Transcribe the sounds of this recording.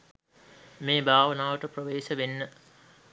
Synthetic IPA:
meːbʱaːʋənaːʋəʈəprəʋeːʃəʋenːə

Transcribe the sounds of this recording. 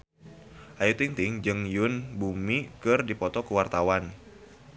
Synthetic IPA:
ʔajut̪iŋt̪ɪŋd͡ʒɨŋjʊnbumikɨrdipɔt̪ɔkuwart̪awan

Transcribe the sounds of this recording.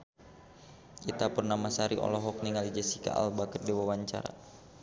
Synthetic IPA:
ʔit̪apurnamasaɾiʔɔ̰lɔɦɔk̚niŋalid͡ʒɛsika̰ʔa̰lbakərdɛwawaɲt͡ʃa̰ɾa̰

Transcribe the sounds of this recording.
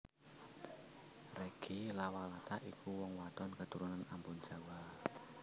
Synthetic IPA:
reɡ̥ilawalat̪aʔikuwɔŋwat̪ɔnkət̪uɾunanampʊnd͡ʒawa

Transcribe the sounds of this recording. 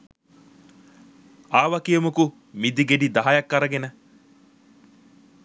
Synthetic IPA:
aːʋɐkijɐmuku | mid̪iɡeɖid̪ɐɦajɐkːɐɾɐɡenə

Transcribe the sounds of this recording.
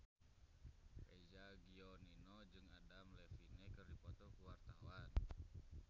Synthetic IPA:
hɛd͡ʒaɡiɔninɔd͡ʒɨŋadamlɛfinɛkɨrdipɔt̪ɔkuwart̪awan

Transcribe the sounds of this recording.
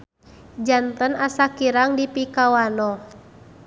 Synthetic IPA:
d͡ʒant̪ənasakiɾaŋdipikawanɔ

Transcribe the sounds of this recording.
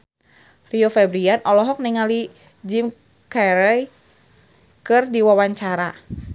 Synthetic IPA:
riofɛbɾianʔɔlɔɦɔk̚niŋali | d͡ʒim | kɛɾɛj | kɨrdiwawaɲt͡ʃaɾa

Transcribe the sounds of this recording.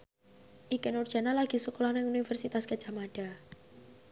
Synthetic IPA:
ʔikənurd̥ʒ̥a̤nalaɡ̥i̤sukɔlɔnɛunifərsit̪askə̥d͡ʒ̥amaɖ̥a̤

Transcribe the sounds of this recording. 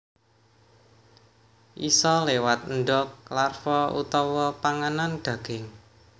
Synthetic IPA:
ʔisɔlewat̪̚nɖɔkːlarfɔṵt̪ɔwɔpaŋanand̥ä̤ɡ̥ɪŋ

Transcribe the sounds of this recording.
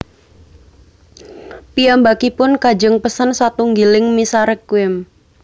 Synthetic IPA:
piambakipʊnkḁd͡ʒəŋpəsənsat̪uŋɡilɪŋmisaɾəkwɪm

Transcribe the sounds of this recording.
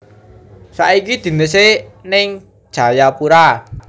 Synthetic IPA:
sa̰ikid̪̥i̤nəsenɪŋ | d̥ʒ̥a̤japuɾa

